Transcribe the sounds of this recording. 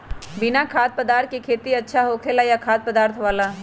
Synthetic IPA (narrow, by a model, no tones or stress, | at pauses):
bɪnakʰaːt̪̚pɐd̪aːɾt̪̚ʰkikʰeːt̪iɐtːʃʰaɦoːkʰeːlajakʰaːt̪̚pɐd̪aːɾt̪ʰʋaːlaː